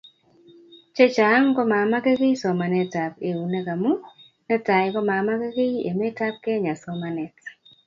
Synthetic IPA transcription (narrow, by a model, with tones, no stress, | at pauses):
t͡ʃe˦t͡ʃa˨˦ŋkɔ˦ma˨ma˦ke˦ke˦sɔ˨ma˨nɛ˨ta˨pe˨u˨nɛ˦ka˨mu˦ | nɛ˦ta˨jkɔ˦ma˨ma˦ke˦ke˦ḛ˨me˦ta˦p̚kɛ˦ɲa˨sɔ˦ma˨nɛ˨t